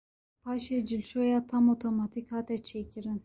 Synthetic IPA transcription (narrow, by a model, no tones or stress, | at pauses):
pʰaʃɛd͡ʒilʲt͡ʃojat̪ʰamot̪ʰomat̪ʰikhat̪ɛt͡ʃʰecʲʰiɾin